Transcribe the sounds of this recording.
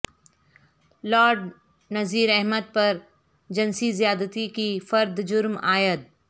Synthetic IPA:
lɔːɖ | nɐziːɾɛɦməd̪̚pɐɾ | d͡ʒɐnsizijaːd̪ət̪ikifɐɾd̪d͡ʒʊɾmaːjəd̪̚

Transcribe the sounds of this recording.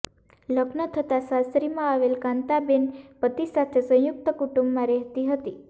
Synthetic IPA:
ləɡnət̪ʰət̪asasɾimãaʋelkãnt̪abenpət̪isat̪ʰesə̃juk̚t̪əkuʈũmbmãɾɛɦt̪iɦət̪i

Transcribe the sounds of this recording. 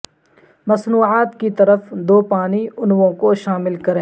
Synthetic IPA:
mɐsnuːaːt̪kit̪ɐɾəfd̪oːpaːniʊnwõkoʃaːmɪlkɐɾẽː

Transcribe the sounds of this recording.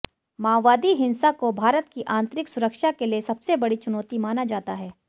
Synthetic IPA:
maːʋaːd̪iɦɪ̃nsakobʱaːɾət̪kiʔãːnt̪ɾɪksʊɾəkʃakeliesɐbsebɐɽit͡ʃʊnɔːt̪imaːnad͡ʒaːt̪aɦɛː

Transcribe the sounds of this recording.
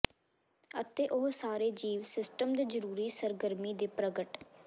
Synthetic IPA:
ət̪eːʔoɦsaːɾeːd͡ʒiːʋsɪsʈəmd̪eːzəɾuːɾiːsəɾɡəɾmiːd̪eːpɾəɡəʈ

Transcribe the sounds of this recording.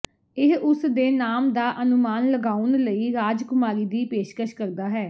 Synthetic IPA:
ɪɦʊsd̪eːnaːmd̪aːʔənʊmaːnləɡaːʊnləiːɾaːd͡ʒkʊmaːɾiːd̪iːpeːʃkəʃkəɾd̪aːɦɛː

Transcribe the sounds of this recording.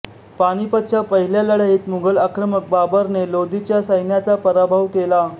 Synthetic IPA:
paɽ̃ipət̪ːɕʰapəɦiljaləɽaɦiːt̪muŋɡəlakɾəmək̚babəɾnelod̪it͡ɕjasəjnjat͡sapəɾabʱəʋkela

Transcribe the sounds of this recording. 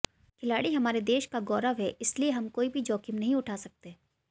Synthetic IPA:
kʰɪlaːɽiɦɐmaːɾed̪eːʃkaɡɔːɾaʋɦɛʔɪslieɦɐmkoːibʱid͡ʒɔːkɪmnɐɦĩʊʈʰaːsɐk̚t̪e

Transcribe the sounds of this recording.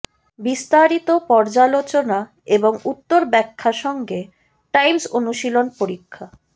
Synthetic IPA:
bist̪aɾit̪opɔɾd͡ʑalot͡ɕona | eboŋut̪ːoɾbɛkʰːaʃɔŋɡe | ʈajmsonuʃilonpoɾikʰːa

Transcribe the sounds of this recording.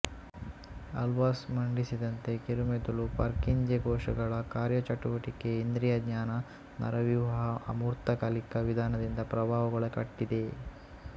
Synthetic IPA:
ɐ̰lʋaːsmɐɳɖisid̪ɐnt̪e̞kiɾumed̪ulupɐɾkiɲd͡ʒeɡɔːʂɐ̰ɡɐɭɐkaːɾjɐt͡ʃɐʈuʋɐʈikeind̪ɾijɐd̪ɲaːnɐ | nɐ̰ɾɐʋjuʋɐɦɐɐmuːɾt̪ɐkaːlikɐʋid̪ʱaːnɐd̪ind̪ɐpɾɐbʱaːʋɐɡɐɭɐkɐʈːid̪e̞

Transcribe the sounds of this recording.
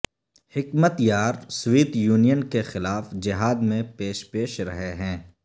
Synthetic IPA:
hɪkmət̪jaːɾswiːt̪juːnijənkexɪlaːfd͡ʒɪɦaːd̪mẽpeːʃpeːʃɾɐ̰ɦeɦɛ̃ː

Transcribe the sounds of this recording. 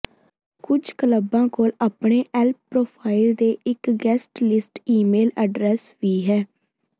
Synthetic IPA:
kʊd͡ʒkələbãːkoːlaːpɳeːʔɛːlp̚ːɾoːpʰaːɪld̪eːɪkɡɛːsʈlɪsʈiːmeːləɖɾɛːsʋiːɦɛː

